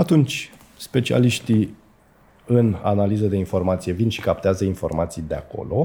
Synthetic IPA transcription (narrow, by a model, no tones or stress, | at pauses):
at̪unt͡ʃʲ | spe̞t͡ʃia̰liʃt̪i | ɨna̰nalizəd̪e̞info̞rmat̪sije̞vinʃi̥kapt̪eazəinfo̞̰rmat̪sijd̪ea̰ko̞̰lo̞